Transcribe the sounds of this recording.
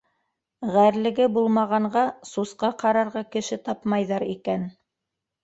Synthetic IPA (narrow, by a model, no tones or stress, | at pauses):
ʁæɾlɘ̆ɡɘbulˠmɑʁɑɴɢɑsusqɑqɑɾɑɾʁɑkɘ̆ʃɘt̪ɑpmɑjðɑɾikæn